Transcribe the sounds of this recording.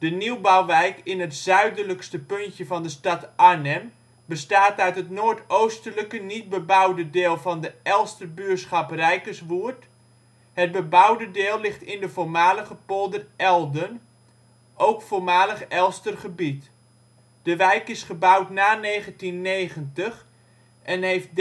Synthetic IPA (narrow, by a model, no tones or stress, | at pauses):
d̥əniwbawʋɛjkɪnɦətz̥œɥdələkstəpɵntjəvɑndəstɑtʔanɛm | bəstaːtœɥtɦətnoːɹtowstələkənit̚bəbʌwdədɪːlˠvɑndəʔɛlˠstərbyːɹsχɑprɛjkəsʋuəɹt | ɦəd̚bəbʌwdədɪːlˠːɪχtɪndəvoːɹmaːləχəpolˠdərʔɛlˠdən | ʔowkfoːɹmaːləχɛlˠstərχəbit | d̥əʋɛjkɪsχəbʌwtnaːnejχəntinːejχəntəχ | ʔɛnɦejft̚d